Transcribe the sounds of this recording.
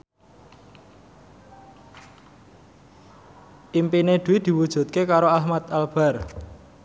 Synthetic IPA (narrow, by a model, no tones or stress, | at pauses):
ʔimpined̪̥uid̪̥i̤wud̥ʒ̥ṳt̪̚kekaɾoahmat̪alb̥a̤r